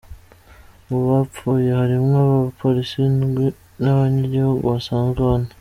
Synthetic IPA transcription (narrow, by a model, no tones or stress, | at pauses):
uβafuːjehaɾimaβapʰoɾisinɡi | naβaɲiɟihoɡosaːnɡoːna